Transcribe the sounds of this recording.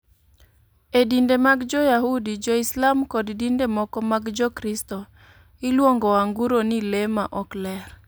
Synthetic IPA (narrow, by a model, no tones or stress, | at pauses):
edindemaɡd͡ʒɔjahudid͡ʒɔislamkɔddindemɔkɔmaɡd͡ʒɔkɾistɔ | ɪlwoŋɡɔaŋɡuɾonilemaʔɔklɛr